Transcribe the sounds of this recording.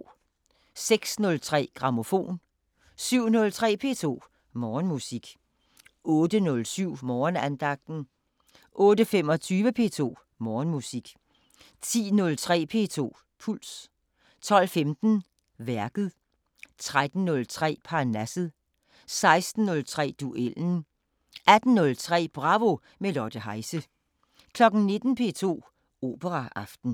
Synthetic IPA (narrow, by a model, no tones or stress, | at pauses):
seɡ̥snɔ̽lt͡sʰʁɛ̰ːɡ̥ʁɑ̈mo̝fo̝̰ːn | syʊ̰nɔ̽lt͡sʰʁɛ̰ːpʰe̝ːt͡sʰo̝̰ː | mɒːnmusiɡ̥ | ʔɔ̽ːd̥ənɔlsyʊ̰mɒːnænd̥ɑ̈ɡ̥̚d̥n̩ | ʔɔ̽ːdəfemɒ̽t͡sʰyːʋəpʰe̝ːt͡sʰo̝̰ː | mɒːnmusiɡ̥ | t͡sʰḭːnɔ̽lt͡sʰʁɛ̰ːpʰe̝ːt͡sʰo̝̰ː | pʰul̰s | t͡sʰɒ̽l̰femd̥n̩ | ʋæɐɡ̥ð̩ˠ | t͡sʰʁad̥n̩nɔ̽lt͡sʰʁɛ̰ːpʰɑ̈næsð̩ˠ | sɑ̈ɪsd̥n̩ːɔ̽lt͡sʰʁɛ̰ːd̥uʔel̰n̩ | ʔæd̥n̩nɔ̽lt͡sʰʁɛ̰ːb̥ʁɑ̈ʋo̝ | melɒd̥əɦɑ̈ɪsə | kʰlɒ̽ɡ̥n̩ne̝d̥n̩pʰe̝ːt͡sʰo̝̰ː | o̝̰ːb̥əʁɑʔɑ̈fd̥n̩